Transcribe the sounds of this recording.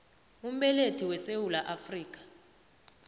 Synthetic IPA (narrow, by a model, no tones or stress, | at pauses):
um̩ɓɛletʰiwɛsewulaʔafriːk̬ʼḁ